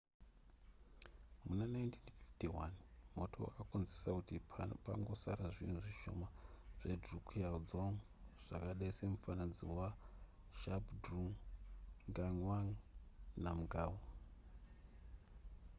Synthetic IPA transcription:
munanajntʰinfi̥ftiwanmo̞tʰo̞̰akunzisakutipaŋɡo̞saɾaʐinuʐiʃo̞̰maʐ̥edrukʰiad͡zoŋ | ʐ̥akaɗaise̞mufanad͡zḭwa | ʃabdru | ŋɡaŋwaŋnamuɡaːwo

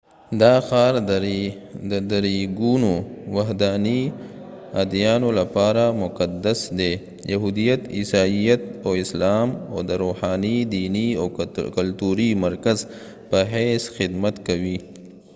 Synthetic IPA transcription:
d̪ɑxɑːɾ | d̪əd̪aɾiɡunowaɦd̪aːni | ad̪jɑːnolapɑɾamʊqad̪asd̪e | jaɦud̪ijat̪isɑːijat̪oɪslɑːmo̰d̪əɾohɑnid̪iːniakalt̪uɾimɐɾkaz | pəɦesxɪd̪mat̪kawi

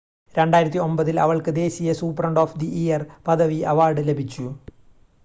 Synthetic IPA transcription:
ɾe̞ɳɖaːjiɾɐt̪ːio̞mbɐðilɐ̰ʋɐɭkɨd̪e̞ːɕijɐsuːprɐɳɖo̞ːfd̪iʔijɐrpɐd̪ɐʋiɐʋaːrɖɨle̞bʱit͡ɕːu

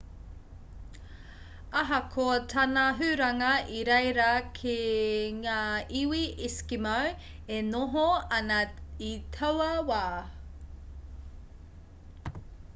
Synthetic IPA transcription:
ɐɦɐkʰotʰɐnɐɦʉɾɐŋɐiɾejɾɐkʰeŋaːiwiiskimaw | enoɦoɐnɐitʰɐwɐwaː

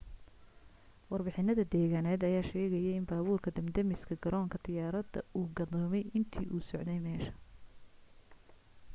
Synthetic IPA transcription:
wɑrbɪħɪnɐðɐd̪ɛːɣaːnɛːd̪ɐjaːʃɛːɣɛjɛɪnbaːβuːrkʰɐd̪ɐmd̪ɐmɪskʰɐɡɐɾʔɔːŋkʰɐd̪̥ɪjaːɾɐd̪ɐ̰uːɡɐðɔːmɛjʔɪnt̪ʰḭːʔuːsɔʕd̪ɛjmɛːʃɐ̥

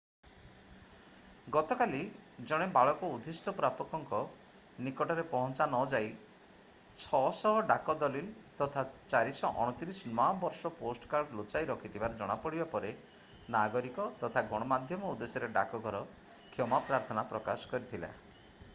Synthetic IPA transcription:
ɡɔt̪ɔkalid͡ʒɔɽ̃ebaɭɔkɔud̪ʱisʈɔpɾapɔkɔŋkɔ | nikɔʈɔɾepɔɦɔnt͡ʃanɔd͡ʒaj | t͡ʃʰɔsɔɦɔɖakɔd̪ɔlil | t̪ɔt̪ʰat͡ʃaɾisɔʔɔ̰ɽ̃ɔt̪iɾisɔnɔabɔɾsɔposʈɔ̥kaɾɖlot͡ʃajɾɔkʰit̪ʰibaɾɔd͡ʒɔɽ̃apɔɽibapɔɾe | naɡɔɾikɔt̪ɔt̪ʰaɡɔɽ̃ɔmad̪ʱjɔmɔud̪esɔɾeɖa̰kɔɡʱɔɾɔ | kʰjɔmapɾaɾt̪ʰɔnapɾɔkasɔ̥kɔɾit̪ʰila̰

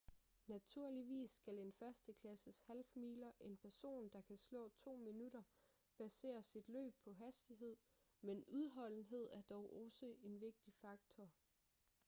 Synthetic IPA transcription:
næt͡sʰuɐ̰liʋḭːsːɡ̥æle̝nfɶɐsd̥əkʰlæsəshælfmḭːlɐʔe̝npʰæɐso̝̰ːnd̥ɑ̈kʰæslɔ̰̽ːt͡sʰo̝̰ːminuɾ̥ɐ | b̥æse̝̰ːɐsid̥lø̰ːb̥̚pʰɒ̽ɦæsd̥iɦe̝ð̞̰ˠ | menuð̞ˠɦɒ̽l̰n̩ɦe̝ð̞̰ˠæɐd̥ɒʊʔɒ̽səe̝nʋe̝ɡ̥̚d̥ifɑ̈ɡ̥̚t͡sʰɒ

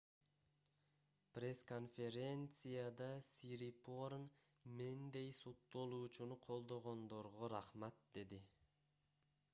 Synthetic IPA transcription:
prʲe̞sko̞nfʲe̞ɾʲe̞nt̪sɨjad̪ɑsiɾipoɾn | mend̪e̞jsut̪ːolˠuːt͡ʃunuqʰo̞lˠd̪o̞ʁo̞nd̪o̞ɾʁoɾɑχmat̪̚d̪e̞d̪i

